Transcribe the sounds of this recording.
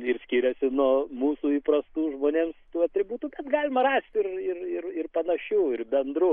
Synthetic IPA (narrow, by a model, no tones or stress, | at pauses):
ɪrsʲkʲiːɾʲɛsʲɪnuːmuːsuːiːpɾɐst̪uːʒmoːnʲeːmst̪uːɐt̪ʲɾʲɪbuːt̪uːbʲɛt̪ɡɑːlʲɪmɐɾɑːsʲt̪ʲɪrɪrɪrɪrpɐnɐʃʲuːɪrbʲɛnd̪ɾʊ